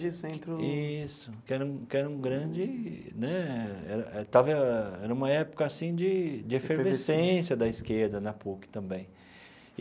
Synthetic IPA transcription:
d͡ʒɪsẽnt̪ɾʊisʊkɪɛɾɐũkɪɛɾɐũɡɾɐ̃d͡ʒɪ | nɛɛɾɐʔɛt̪avɐɛɾɐũmɐɛpʊ̥kɐːsĩd͡ʒɪd͡ʒɪeffeɾvesẽsjɐd̪ɐiskeɾd̪ɐnɐpukɪ̥t̪ɐ̃bẽj̃

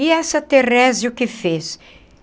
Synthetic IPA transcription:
iɛsɐt̪erɛzɪʊkɪfes

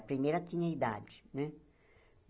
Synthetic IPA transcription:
pɾimejɾɐt̪ĩɲɐid̪a̰d͡ʒɪ̥nɛ

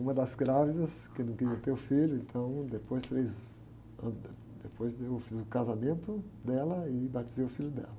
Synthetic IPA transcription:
ũmɐd̪ɐzɡɾavid̪ɐs | kɪnɐ̃w̃keɾiɐ̃t̪eɾʊfiʎʊẽnt̪ʰɐ̃w̃d̪epojst̪ɾejz | ɐ̃ | d̪epojzd̪eofizʊkazamẽnt̪ʊd̪ɛlɐɪbat͡ʃizejʊfiʎʊd̪ɛ̰lɐ

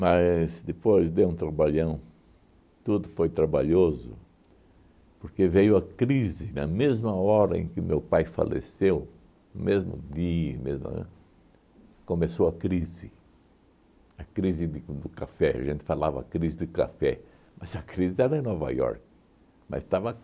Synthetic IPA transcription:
mɐzd̪ɪpojzd̪eũt̪ɾabaʎɐ̃w̃ | t̪ud̪ʊfojt̪ɾabaʎozʊ̰ | poɾkevejʊɐkɾizɪnɐ̰mezmɐɔɾɐ̰ḛ̃kɪʊmewpajfa̰lʔḛsew | mezmʊ̰d̪iɐmezmɐ̰ | kõmesowɐkɾizɪ | ɐkɾizɪd̪ɪd̪ʊkafɛɐ̰ʒẽnt̪ɪ̥falavɐ̰ɐkɾizɪd̪ɪka̰fɛ | mɐzɐkɾizɪɛɾɐẽnɔva̰jɔ̰ɾk | mɐ̰st̪avɐ

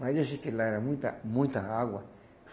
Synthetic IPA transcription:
ãiaʃikelaɾamũt̪a̰mũĩt̪aawa

